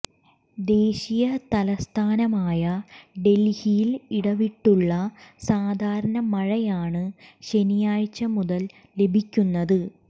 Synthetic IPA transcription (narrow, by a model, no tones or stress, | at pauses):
d̪e̞ːɕijɐt̪ɐlɐst̪ʰaːnɐmaːjɐɖe̞lhijiliɽɐʋiʈːuɭːɐsaːd̪ʱaːɾɐɳɐmɐɻɐjaːɳɨɕe̞nijaːɻt͡ɕːɐmuðɐl | le̞bʱikʲːunːɐðɨ